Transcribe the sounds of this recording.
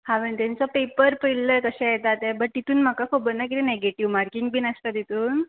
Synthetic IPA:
hãʋənt̪ant͡sɔpepəɾpəilləjkəɕɛ̃jet̪at̪ɛbəʈ̚t̪it̪uːnm̤akakʰobənːak̬it̪eneɡeʈiʋmaɾkiŋɡbiːnəst̪at̪it̪uːn

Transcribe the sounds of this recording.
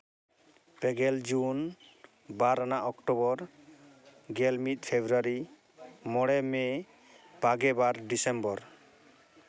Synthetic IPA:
pɛɡɛld͡ʒun | baɾanaʔɔkʈɔbɔɾ | ɡɛlmit̪̚pʰebʱɾaɾi | mɔɽɛmɛ | b̥ʱaɡɛbaɾɖisembɔɾ

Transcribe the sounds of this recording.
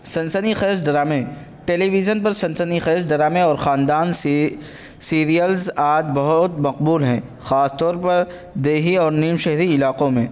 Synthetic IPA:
sɐ̃nsənixɛːsɖɐɾaːmẽ | ʈeːliʋid͡ʒənpɐɾsɐ̃nsənixɛːsɖɐɾaːmẽɔːɾxaːnd̪aːns | siːɾijəlzaːd͡ʒbɐɦʊt̪mɐq̚buːlɦɛ̃ːxaːst̪ɔːɾpɐɾ | d̪eːɦiɔːɾniːmʃɛɦɾiɪlaːqõmẽː

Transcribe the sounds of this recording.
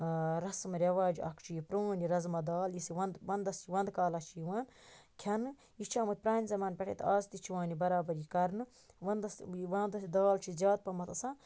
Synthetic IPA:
ɾɐsmɾʲɐʋaːd͡ʒɐ̰kʰt͡ʃʰijipɾoːniɾɐzmɐd̪aːljisiʋɐnd̪ʋɐnd̪ɐst͡ʃiʋɐnd̪kaːlɐt͡ʃʰijiʋaːn | kʲʰɐnɨ | jit͡ʃʰaːmɐt̪̚pɾaːnʲizɐmaːnpʲeʈʰḛt̪ʰaːzt̪it͡ʃʰiʋãːnibɐɾaːbɐɾikɐɾnɨ | ʋɐnd̪ɐsʋɐnd̪d̪aːlt͡ʃʰizʲjaːd̪̚pɐmɐt̪ɐsãː

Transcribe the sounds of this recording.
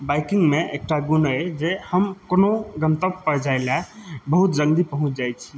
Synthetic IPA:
bajkiŋɡmẽeːk̚ʈaɡunəjd͡ʒehəmkonoɡənt̪əbpəd͡ʒalabəɦut̪d͡ʒəŋd̪ipəɦũt͡ʃʰd͡ʒajt͡ʃʰi

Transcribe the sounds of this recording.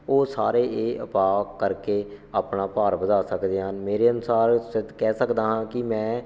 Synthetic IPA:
oːsaːɾeːʔeːʔəpaːkəɾkeː | aːpnaːpaːɾbəd̪aːsəkd̪eːɦənmeːɾeːənʊsaːɾsɪd̪kɛːsəkd̪aːɦãːkɪmɛ̃ː

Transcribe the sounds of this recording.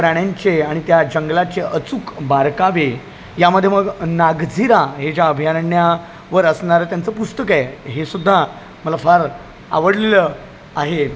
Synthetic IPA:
pɾaɽ̃jaɲt͡ɕeaɽ̃it̪jad͡ʑəŋɡlat͡ɕeʔət͡sukbaɾkaʋe | jaməd̪ʱːjeməɡnaɡd͡zʱiɾaɦed͡ʑjaəbʱjaɾɳja | ʋəɾəsɳaɾət̪jant͡səpust̪əkɛɦesud̪ʱːa | məlafaɾ | a̰ʋəɽlelə | aɦe

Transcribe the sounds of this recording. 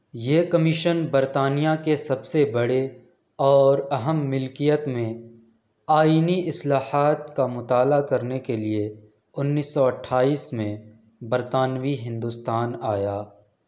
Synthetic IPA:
jeːkɐmɪʃənbɐɾt̪aːnijakesɐbsebɐɽe | ɔːɾɐɦəmːɪlkijət̪mẽ | aːiːniɪslaːhaːt̪kamʊt̪aːlakɐɾnekelie | ʊnːiːsːɔɐʈʰːaːiːsmẽ | bɐɾt̪aːnwiɦɪ̃nd̪uːst̪aːnaːjaː

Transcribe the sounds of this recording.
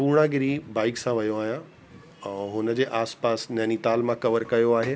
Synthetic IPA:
puːɽ̃aɡɪɾibaːɪksãʋɐjoaːɦijã | ɛ̃ɦʊnəd͡ʑeːʔaːspaːsnɐːnit̪aːlmãkɐʋəɾkɐjoaːɦeː

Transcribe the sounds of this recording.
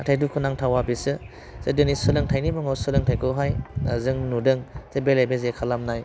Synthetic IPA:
atʰajdukʰɯnaŋtʰawabisɯ | sedɯnisɯlɯŋtʰajnimɯŋawsɯlɯŋtʰajkʰɔɦajzɯŋnudɯŋtʰebelajbezekʰalamnaj

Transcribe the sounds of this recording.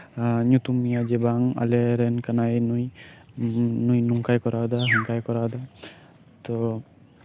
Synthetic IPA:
ɲut̪umːijad͡ʒɛbaŋa̰lɛɾɛnkanajnuj | nujnuŋkajkɔɾad̪aɦiŋkajkɔɾad̪a | t̪ɔ

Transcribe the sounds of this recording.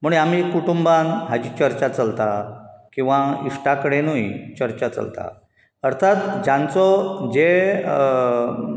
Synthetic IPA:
m̤uɳam̤ikuʈumbanɦad͡ʑit͡ɕəɾt͡ɕat͡səlt̪akĩw̃ʋaiʂʈakəɽenujt͡ɕəɾt͡ɕat͡sə̰lt̪a̰ | əɾt̪ʰat̪d͡ʑant͡sɔd͡ʑe

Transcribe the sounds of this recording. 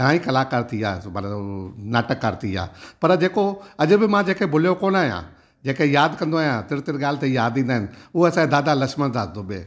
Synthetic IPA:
ãːikɐlaːkɐɾt̪ʰija̰ːmənaːʈəkːɐɾt̪ʰija̰ːpɐɾd͡ʒeːkoɐʄ̆bɪmãd͡ʒeːkebʱʊljokoːnaːɦjã̰ | d͡ʒeːkejaːd̪kɐ̃nd̪oaːjãt̪ɪɾt̪ɪɾɠaːlt̪ejaːd̪ĩːnd̪aːɦɪnɪʊɐsãẽd̪aːd̪alɐkʃmənd̪ʰaːd̪obeː

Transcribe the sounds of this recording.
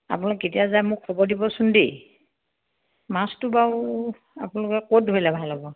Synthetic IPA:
a̰punalketijazajmʊkʰːɔbɔɹdibɔsʊndi | mastʊbaw | apunalʊkɛkot̚dʱoɹilɛbʱalɔbɔ

